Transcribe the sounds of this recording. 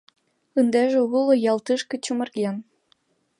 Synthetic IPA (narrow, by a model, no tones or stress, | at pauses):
ɯnd̪æʒĕulˠɤ̆jɑlt̪ɨʃkɤ̆t͡ɕumɤ̆rɣʲen